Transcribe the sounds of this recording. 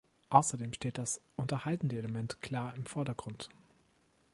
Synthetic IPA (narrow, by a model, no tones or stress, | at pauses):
ʔaʊsɐdeːmʃteːt̚d̥asʔʊntɐhaltn̩dəeləmɛntkʰl̥aːɐɪmfɔɐdɐɡʁʊnt